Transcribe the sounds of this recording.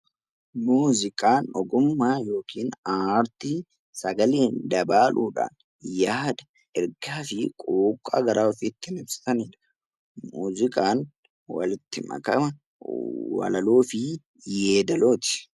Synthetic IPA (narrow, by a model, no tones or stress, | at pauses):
muːzɪkʼaːnɔɡʊmːaːjo̞ːkʰiːnaːɾt̪i | sɐɡɐleːnd̪ɐbaːlʔuːᶑa̰ːn | jaːd̪ɐ̥ | ʔɛɾɡaːfɪkʼoːkʼːa̰ːɡɐɾʔaːɔfɪt̪ːɪnɪbsɪ̥t̪ɐniːᶑɐ̥ | mṵːzɪkʼaːn | wɐ̰lɪt̪ːɪmɐ̰kɐmɐ | wɐ̰lɐloːfɪ | jeːd̪ɐlo̞ːt̪ɪ̥